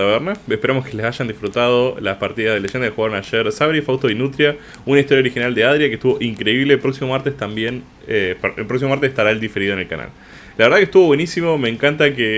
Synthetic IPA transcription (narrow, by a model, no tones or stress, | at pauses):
aβeɾnaepeɾamo̞skelesaʃand̪ifɾut̪að̞o̞laspaɾt̪iðaðelee̞nd̪akexuɣaɾonaʃeɾsaβɾifawst̪oinut̪ɾja | unaist̪ojaoɾixinald̪eað̞ɾjakeht̪uβo̞ʔiŋkɾe̞iβleːlpɾoksimo̞maɾt̪est̪ambjen | epḛlpɾoks̬imo̞maɾt̪eseht̪aɾaeld̪ife̞ɾiðonelka̰na̰l | laβeɾð̞akest̪uβwenisimo̞me̞ːŋkant̪ake